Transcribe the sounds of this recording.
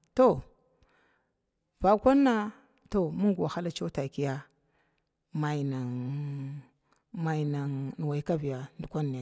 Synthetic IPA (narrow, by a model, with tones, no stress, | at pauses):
to˦˨ | va˨kʷa˦nːa˦ | to˦mu˦ŋɡu˨a˨xa˦la˦t͡ʃo˦ta˨ki˦ja˦ | ma˨jna˨ŋ | ma˨jna˨ŋn˨wa˨i˨ka˦vi˨ja˨ndu˨kʷa˦ni˨a˨